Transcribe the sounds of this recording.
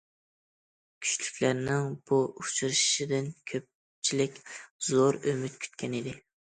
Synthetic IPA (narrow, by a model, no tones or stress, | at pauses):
kʲʰy̥t͡ʃlykʲlæɾnɪŋb̥uut͡ʃʰɾɨʃʃid̪ɪnkʲʰøp̚ | t͡ʃʰilɪkʲzoɾømyt̪̚kʲʰy̥t̪kʲʰɛnɪd̪ɪ